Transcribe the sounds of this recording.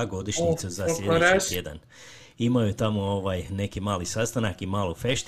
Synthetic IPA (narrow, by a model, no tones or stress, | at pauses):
ɡo̞d̪iʃɲit̪suzaslʲʎeuit̪jed̪a̰n | imajut̪amooʋajne̞kimaːlisast̪anakimaːlofe̞ʃt̪